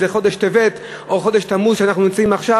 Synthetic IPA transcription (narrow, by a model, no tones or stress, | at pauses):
zeχo̞d̪eʃt̪evet̪ | oχo̞deʃt̪amudʃeanaχnunimt͡saimaχʃa